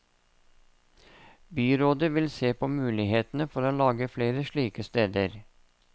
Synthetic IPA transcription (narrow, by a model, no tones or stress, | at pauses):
byːɾoːd̪əʋɪlseːpʰoːmʉːlɪheːt̪nəfɔɾoːlɑːɡəfleːɾəʃɭiːkəst̪eːd̪əɾ